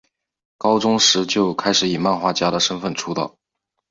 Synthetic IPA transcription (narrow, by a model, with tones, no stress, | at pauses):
kɑ˥ʊʈ͡ʂʊ˥ŋʂɻ̩˧˥t͡ɕjo˥˩ʊkʰa˥ɪʂɻ̩˧˥i˨˩ma˥˩nxwa˥˩t͡ɕja˥ɾə˨ʂə˥nfə˥˩nʈ͡ʂʰu˥t̪ɑ̰˥˩